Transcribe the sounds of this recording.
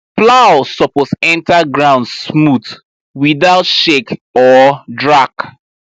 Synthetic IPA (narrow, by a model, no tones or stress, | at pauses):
plaʊsɔposɛ̃ntaɡɹãʊ̃ndsmuθ | wiðaʊtʃekɔdɹak